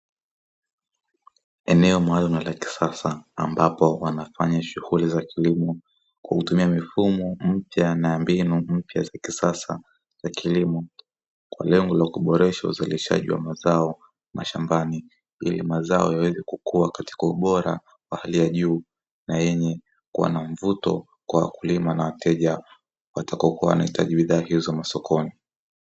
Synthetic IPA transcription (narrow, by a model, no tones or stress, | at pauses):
ɛnɛɔmaalumalaki̥sasaːmbapɔwanafaɲaʃuhulizakʰilimɔ | kwakutumiamifumɔm̩pjanaambinum̩pjazakisasa | z̥akilimɔ | kwa̰lɛŋɡɔlakuɓɔɾɛʃaṵzaliʃa̰ʄiwa̰mazaɔ | mʔaʃambani | ḭlḭmazaɔ̰jawɛzɛkukuwakati̥kauɓɔɾa̰ | wahalijaʄuː | najɛɲɛ | kuwa̰naɱvutɔ̰ | kwawa̰kulimanawatʰɛʄa | watakɔkuawnahita̰ʄiɓiðaːhizɔmasɔkʰɔni